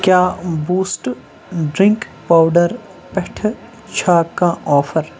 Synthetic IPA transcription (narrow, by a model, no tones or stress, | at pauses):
kjaːbuːsʈ | ɖɾɪ̃ŋkpaːwɖəɾ | pɛʈʰ | t͡ʃʰaːkãʔɔːfʰəɾ